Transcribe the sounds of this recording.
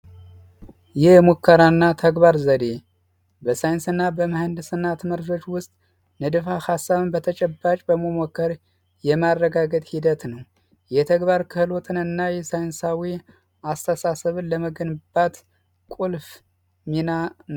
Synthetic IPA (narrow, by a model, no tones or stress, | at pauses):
jɛhmukːəɾanːat̪ʰəɡβaɾzəd̪e | bəsajɨnsɨnːabəməhənd̪ɨsɨnːat̪ʰɨməɾd͡ʒo̞t͡ʃːwʊst̪ʼ | nɨd̪ɨfahasːaβɨnbət̪ʰət͡ʃʼɛbːat͡ʃʼbəmomokʰːəɾ | jɛmaɾːəɡaɡət̪ʼhid̪ət̪nəw | jɛt̪ʰəɡβaɾkʰɨhɨlo̞t̪ʰɨnɨnːajɛsajnsawi | ast̪ʰəsasəβɨnləməɡənbat̪ | kʼulf | minan